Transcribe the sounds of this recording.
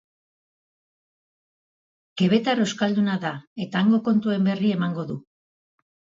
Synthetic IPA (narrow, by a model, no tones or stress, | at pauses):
ke̞βe̞t̪aɾo̞wskald̪unaðae̞t̪aːŋɡo̞ko̞nt̪ue̞mbe̞rie̞maŋɡo̞ðu